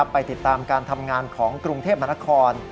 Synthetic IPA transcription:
a˦˥pːa˧jt̪i˨˩t̪ːaː˧mkaː˧nt̪ʰa˧mŋaː˧nkʰɔː˩˦ŋkɾu˧ŋt̪ʰeː˥˩p̚ma˧na˦˥kʰɔː˧n

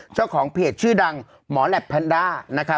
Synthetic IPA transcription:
t͡ɕa˥˩wkʰɔː˩˦ŋpʰeː˨˩t̪̚t͡ɕʰɯː˥˩da˧ŋ | mɔː˩˦lɛ˨˩pʰːa˧ndaː˥˩na˦˥kʰa˦˥

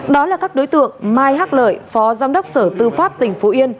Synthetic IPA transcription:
ɗɔ˨˦laː˨˩kaː˦˥k̚ɗo˨˦jt̪ɨ̰˧˨əŋmaː˧jɦaː˦˥k̚lə̰ː˧˨jfɔ˨˦zaː˧mɗə˦˥wk͡p̚səː˧˩t̪ɨ˧˩faː˦˥p̚t̪ï˧˩ŋ̟fo˨˦ʔi˧ən

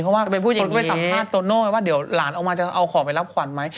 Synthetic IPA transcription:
pʰɔ˦˥waː˥˩˧kʰu˥˩o˧nkɔ˥˩a˨˩saː˨˩˦maː˥˩t̪ːoː˧noː˥˩waː˥˩di˨˩˦əwlaː˩˦nʔa˧wmaː˧t͡ɕa˨˩ʔa˧wkʰɔː˨˩˦pa˧jla˦˥p̚kʰwa˨˩˦nma˦˥j

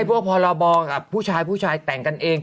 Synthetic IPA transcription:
jpʰu˥˩ək̚pʰɔː˧ɾa˧bɔː˧ka˨˩ppʰːuː˥˩t͡ɕʰaː˧jpʰuː˥˩t͡ɕʰaː˧jt̪ɛ˨˩ŋka˧nʔeː˧ŋ

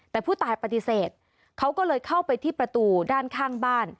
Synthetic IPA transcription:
t̪ːɛː˨˩pʰuː˥˩t̪aː˨˩jpa˧t̪i˧seː˨˩t̪̚ | kʰa˦˥wkɔː˥˩lɤː˧jkʰa˥˩wpa˧jt̪ʰiː˥˩pɾa˧t̪uː˧daː˥˩nkʰaː˥˩ŋbaː˥˩n

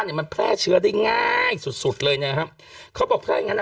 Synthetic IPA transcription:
niː˧˩ma˧npʰlɛː˥˩t͡ɕʰɯ˦˥ɐdiː˧˩ŋaː˧˩jsu˨˩t̪̚su˨˩t̪̚lɤː˧jɲaː˧˩kʰa˦˥p̚ | kʰɔː˨˦˥ɓɔː˨˩kpʰlɛː˥˩˧ŋa˧n˨

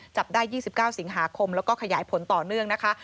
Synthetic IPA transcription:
t͡ɕa˨˩p̚daː˥˩jːiː˥˩si˨˩p̚kaː˥˩wsi˨˩˦ŋɦaː˩˦kʰo˧mlɛː˦˥wkɔː˥˩kʰa˧jaː˨˩˦jpʰo˨˩˦nt̪ɔː˨˩nɯ˥˩əŋna˦˥kʰa˦˥

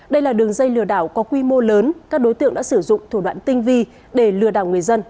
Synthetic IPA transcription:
ɗə˧jlaː˨˩ɗɨ˨˩əŋzə˧jlɨ˨˩əɗaː˧˩wkɔ˨˦kwi˧mo˧ləː˨˦nkaː˦˥k̚ɗo˨˦jt̪ɨ̰˧˨əŋɗa̰ː˧˥sɨ˧˩zʊ̰˧˨ŋ͡mt̪ʰu˧˩ɗwa̰ː˧˨nt̪ï˧ŋ̟vi˧ | ɗe˧˩lɨ˨˩əɗaː˧˩wŋɨ˨˩əjzə˧n

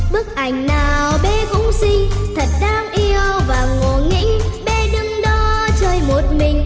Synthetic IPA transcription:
ɓɨ˦˥ək̚ʔa˨˩jŋ̟naː˨˩wɓɛ˨˦kʊ̰˧˥ŋ͡msï˧ŋ̟t̪ʰə˨˩t̚ɗaː˧˦ŋʔi˧əwvaː˨˩ŋo˨˩ŋḭ˧˥ŋ̟ɓɛ˨˧˦ɗɨ˧ŋɗɔ˨˦t͡ɕəː˧jmo˨˩t̚mï˨˩ŋ̟

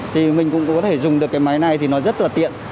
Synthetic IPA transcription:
t̪ʰi˨˩mï˨˩ŋ̟kʊ̰˧˥ŋ͡mkɔ˨˦t̪ʰe˧˩zʊ˨˩ŋ͡mɗɨ˨˩əkːaː˨˦jma˨˦jna˨˩jt̪ʰi˨˩nɔ˨˦zə˦˥t̚laː˨˩t̪ḭ˧˨ən

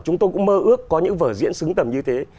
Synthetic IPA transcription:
t͡ɕʊ˨˦ŋ͡mt̪o˧jkŋ͡mməː˧ʔɨ˦˥əkːɔ˨˦ɲɨ̰˧˥ŋvəː˧˩zḭ˧˥ənsɨ˨˦ŋt̪ə˨˩mɲɨ˧t̪ʰe˨˦

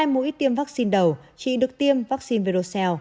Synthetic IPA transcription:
a˧jmṵ˧˥˦t̪i˧əmvaː˦˥k̚si˧nɗə˨˩w | t͡ɕḭ˧˨ɗɨ˨˩ək̚t̪i˧əmvaː˦˥k̚si˧nve˨˧˩ɗo˧˩sɛ˧w

